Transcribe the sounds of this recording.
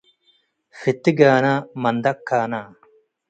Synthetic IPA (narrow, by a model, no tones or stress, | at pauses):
fit̪iɡaːnaːmɐnd̪ɐkʰːaːnaː